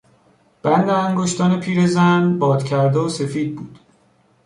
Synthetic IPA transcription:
b̥ænd̪eæŋɡoʃt̪ɒːne̞pʰiːɾe̞zænbɒːd̪̥cʰæɾd̪eose̞fiːd̪̚buːd̪̥

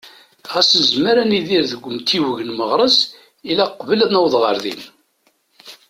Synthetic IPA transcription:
ʁæsənzəməɾæniðiɾðəɡʷːəmt̪ʰːiwəʝənməʁɾˤəz | ilæqːvəlæðnæwðˤʁəɾðḭn

